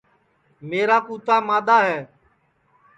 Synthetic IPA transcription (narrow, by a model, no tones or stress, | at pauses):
meːɾaːkuːt̪aːmaːɗ̪aːɦɛː